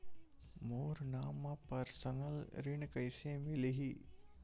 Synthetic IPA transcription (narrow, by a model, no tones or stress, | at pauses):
moːɾnaːmapɐɾsənəlɾɪɳkɐjsemɪleɦi